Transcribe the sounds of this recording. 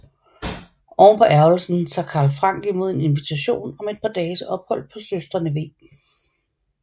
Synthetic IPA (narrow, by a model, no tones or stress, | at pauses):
ɒːnpʰɒ̽ʔæɐl̩sn̩t͡sʰɑ̈kʰɑ̈ːlfʁɑ̈ŋ̰ɡ̥imo̝ð̞̰ˠe̝ne̝nʋit͡sʰæɕo̝̰ːnɒ̽me̝d̥̚pʰɑ̈d̥ɛːsəʔɒ̽b̥hɒ̽l̰d̥̚pʰɒ̽søsd̥ʁɐnəʋe̝ː